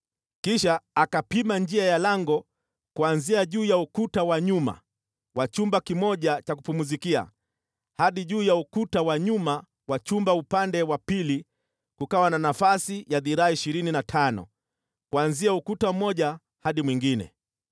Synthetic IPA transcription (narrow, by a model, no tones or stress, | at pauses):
kiʃaːkapimand͡ʒiajalaŋɡɔ | kuanziaʄuːjaukutawaɲuma̰ | wat͡ʃumbakimɔʄat͡ʃakupumuzikia̰ | haɗiʄuːjaukutawaɲuma | wat͡ʃumbaupandɛwapili | kukawananafasijaðiɾaaiʃiɾininatʰanɔ̰ | kuanziaukutam̩mɔʄa | haɗimwiŋɡinɛ̰